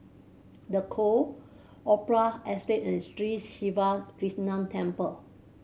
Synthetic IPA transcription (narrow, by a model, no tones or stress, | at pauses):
dəkʰo | ʔɔpɹaɛstetĩnstɹitʃivakɹisnãmtʰɛ̃mpəl